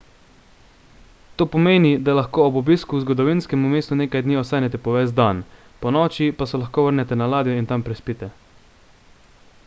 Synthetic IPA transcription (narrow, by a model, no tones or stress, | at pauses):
t̪oːpɔmeːnid̪alaxkoːɔbɔbiːskuzɡɔd̪ɔʋinskɛmumeːst̪uneːkajd̪niːɔsaːnɛt̪ɛpɔʋɛsd̪an | pɔnɔːt͡ʃipasɛlaxkoːʋəɾnɛt̪ɛnalaːd̪jɔint̪ampɾɛspit̪ɛ